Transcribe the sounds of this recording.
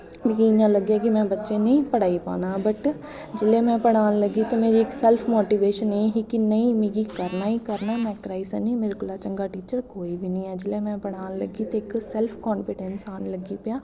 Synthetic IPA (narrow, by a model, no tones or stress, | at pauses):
mekiɪ̃ɲãːləɡjaːkɪmɛ̃ːbətːʃẽːnĩːpəɽaːiːpa̰ːnaːbəʈ | d͡ʒɪlẽːmɛ̃ːpəɽaːnləɡiːt̪õːmeːɾiːɪksɛlpʰmoːʈiːʋeːʃəneːɦikɪnəĩːmiɡiːkəɾnaːiːkəɾnaːmɛ̃ːkɾaːisənĩmɪːɾɡʊlaːt͡ʃəŋɡaːʈiːt͡ʃəɾkoːiːbiːnəĩːɛːd͡ʒɪlẽːmɛ̃ːpəɽaːnlə̰ɡiːt̪eɪksɛlpʰkɔːnfʰɪɖɛnsaːnləɡiːpjãː